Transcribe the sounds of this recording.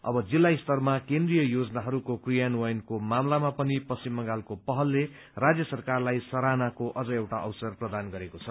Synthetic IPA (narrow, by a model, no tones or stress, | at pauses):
ʌ̰bʌd͡zilːaist̪ʌrmakend̪rijʌjod͡zʌnaɦʌɾukokrijanwajnkomamlamapʌnipʌsimːʌŋɡalkopʌɦʌlːe | rad͡zjʌsʌrkarlajsʌɾanakoʔʌd͡zʌewʈaʔʌwsʌrprʌd̪anɡʌɾekot͡sʰʌ